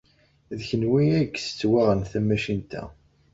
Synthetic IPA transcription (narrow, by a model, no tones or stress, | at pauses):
ðçənwiæɡsə̥t͡sːwaʁənθæmæʃint̪æ̰